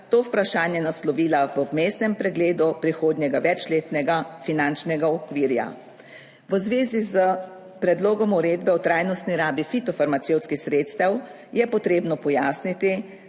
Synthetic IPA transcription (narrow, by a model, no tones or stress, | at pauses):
t̪oːwpɾaʃaːnjɛnaslɔʋiːlaʋəwmest̪nɛmpɾɛɡleːd̪upɾixoːd̪nʲjɛɡaʋɛt͡ʃleːt̪nɛɡafinant͡ʃnɛɡaɔkʋiːɾja̰ | ʋəzʋeːzizə | pɾɛd̪loːɡɔmuɾeːd̪bɛut̪ɾaːjnɔst̪niɾaːbifit̪ɔfaɾmat̪sewt̪skixsɾeːt̪st̪aw | jɛpɔt̪ɾeːbnɔpɔjaːsnit̪i